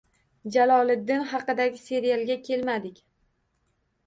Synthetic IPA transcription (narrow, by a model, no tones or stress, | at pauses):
d͡ʒalˠɒlˠɪd̪ːɪnhɑqɨd̪aɡʲɪse̞ɾijalˠɡʲakʲʰe̞lmad̪ɪkʲ